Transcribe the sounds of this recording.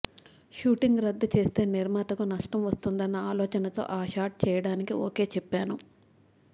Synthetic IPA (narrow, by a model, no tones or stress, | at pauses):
ʃuːʈiŋɡɾɐd̪ːut͡ʃe̞ːst̪e̞ːniɾmaːt̪ɐkunɐʂʈɐmʋɐst̪und̪ɐnːɐaːlɔːt͡ʃɐnɐt̪o̞̰ːʔaːʃaːɾʈ̚t͡ʃɛːjɐɽaːnikio̰ːke̞ːt͡ʃɛpːaːnu